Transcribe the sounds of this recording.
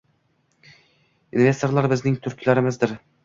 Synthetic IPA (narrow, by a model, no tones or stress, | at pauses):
inve̞st̪o̞ɾlˠaɾbɪznɪŋt̪ʰɵɾkʲʰlaɾɪmɪzd̪ɪɾ